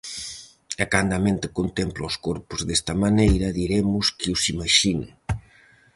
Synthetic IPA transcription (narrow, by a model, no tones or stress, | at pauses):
ekand̪amẽnt̪ɪkont̪emplawskoɾpʊzðest̪ɐmanejɾɐðiɾemʊskiusimaʃinḛ